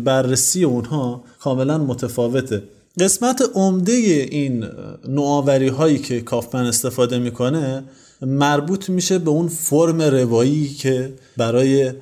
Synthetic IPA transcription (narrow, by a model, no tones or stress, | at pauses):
bæɾːesiːje̞unhɒːkʰɒːme̞lænmot̪ʰefɒːve̞t̪ʰe̞ | ɢe̞smæt̪ʰeʔomd̪e̞jeʔinːoɒːvæɾiːɦɒːjiːcʰe̞kʰɒːfmæne̞st̪e̞fɒːd̪e̞miːkʰo̞ne̞ | mæɾbuːt̪ʰmiːʃe̞be̞unfoɾme̞ɾe̞vɒːjicʰe̞ | bæɾɒːje̞